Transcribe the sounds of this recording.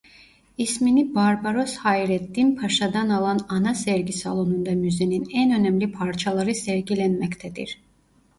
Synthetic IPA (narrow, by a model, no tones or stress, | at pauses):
isminibaɾbaɾo̞shajɾɛt̪ːinpʰaʃad̪analˠananasɛɾɟisalˠonund̪amyzeninænø̞næmlʲipʰaɾt͡ʃʰalˠaɾɯsɛɾɟilʲɛnmɛct̪ʰɛd̪ḭɾ̥